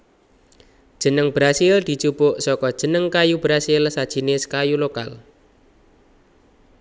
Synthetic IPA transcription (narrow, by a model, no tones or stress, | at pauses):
d̥ʒ̥ə̤nəŋbɾasɪld̪̥i̤t͡ʃupʊʔsɔkɔd̥ʒ̥ə̤nəŋkajubɾasɪlsad̥ʒ̥i̤nɪskajuloka̰l